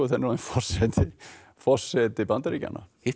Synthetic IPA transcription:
ɔθɛnːɪɾɔnfɔr̥sɛt̪ʰɪ | fɔr̥sɛt̪ɪbant̪aɾica̰na̰

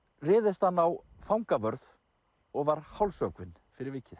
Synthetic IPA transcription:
rɪːðɪst̪hanːaw | fawŋkavœɾð | ɔɣvaɾ̥hawlsœkvɪn | fɪɾɪɾvɪːcɪθ

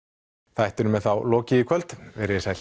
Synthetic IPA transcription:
θajht̪ʏɾʏmɛðθawlɔːcɪikʰvœl̥t̪vɛɾɪɪsaj̪

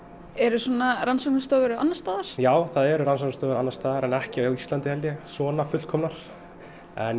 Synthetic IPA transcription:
ɛɾʏsɔnaɾansɔknst̪œːɣʏɾanːast̪aːðaɾ̥jaːwθaðɛɾʏɾans̬ɔknst̪œːɣʏɾanːast̪aːðaɾɛnɛhcɪaawist̪lant̪ɪhɛljɪsɔːnafʏt̪l̥kʰɔmnaɾ̥ | ɛn

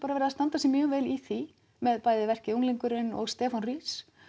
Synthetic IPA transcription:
paɾavɛɾɪðast̪ant̪asɛmjœːɣvɛːliθi | mɛðpaːjðɪvɛr̥cɪuŋliŋkʏɾɪnɔ̰ɣst̪ɛːfɔnriːs

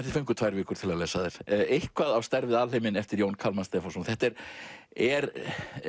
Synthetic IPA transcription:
ɛt̪ɪ̥fœjŋkʏt̪ʰvaːjɾvɪːkʏɾ̥t̪ʰɪlaðleːsaðɪɾ̥ejhkʰvaðawst̪aɾvɪðaːðlejmɪnɛft̪ɪɾjownkʰalmast̪ɛːfasunθɛht̪ɛɾ̥ɛɾ

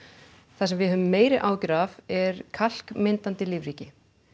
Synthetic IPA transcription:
θasɛmvɪhœʏmːeːjɾɪʔaːwcʏɾavɛɾkʰal̥kmɪnt̪ant̪ɪlivɾiːcɪ

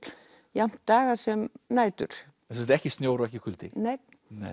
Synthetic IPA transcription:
jam̥t̪ːaːɣasɛmnaːjt̪ʏ̰ɾ̥ | ɛsɛst̪ɛhcɪst̪njoːwɾaɛhcɪkʰʏlt̪ɪnej | nḛ

